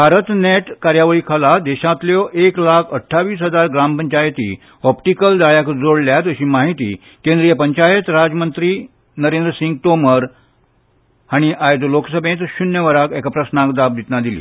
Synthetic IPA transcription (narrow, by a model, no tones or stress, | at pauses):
bʱaɾət̪neʈkaɾjaʋəɭiːkʰalad̪ɛɕãt̪ljɔʔeklakʰəʈʰːaʋiːsɦəd͡zaɾɡɾampəɲt͡ɕajt̪ḭː | ɔpʈikəld̪aɭjakd͡zoɽljat̪əɕiːmaɦit̪ḭː | kẽnd̪ɾijəpəɲt͡ɕajət̪ɾad͡zmənt̪ɾiː | nəɾẽnd̪ɾəsĩŋɡ̚ʈoməɾ | aɽ̃iʔajd͡zoloksəbʱẽt̪ɕunjəʋəɾakɛkapɾəsnãkd̪ab̚d̪it̪nad̪ilḭː